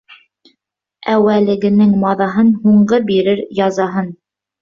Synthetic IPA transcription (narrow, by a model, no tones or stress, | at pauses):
æwælɘ̆ɡɘ̆nɘŋmɑðɑɦɤnhuɴɢɤbiɾɘɾjɑzɑɦɤn